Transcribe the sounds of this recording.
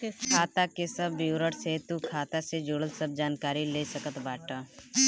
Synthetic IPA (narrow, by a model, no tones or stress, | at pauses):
kʰaːt̪akesɐbːiwɾəɽset̪ukʰaːt̪ased͡ʒʊɽəlsɐb̚d͡ʒaːnkaːɾileːsɐkət̪baːʈa